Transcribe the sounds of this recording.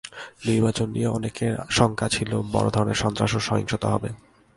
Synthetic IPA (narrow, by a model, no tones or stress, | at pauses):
niɾbat͡ɕonːieɔnekeɾʃɔŋkʰat͡ɕʰilobɔ̰ɾo̰d̪ʱɔɾoneɾʃɔnt̪ɾaʃoʃɔɦiŋʃot̪oɦɔbe